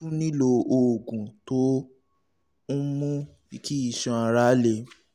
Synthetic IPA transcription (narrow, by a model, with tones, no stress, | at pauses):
u˦nĩ˦lo˧o˨ɡũ˨to˦ | n̩˦mũ˦ | i˧kʰi˦i˦˨ʃã˧a˧˨ɾa˨˦le˧˨